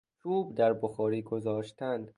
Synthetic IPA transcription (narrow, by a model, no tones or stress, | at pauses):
t͡ʃʰuːbd̪æɾboxɒːɾiːɡozɒːʃt̪ʰænd̪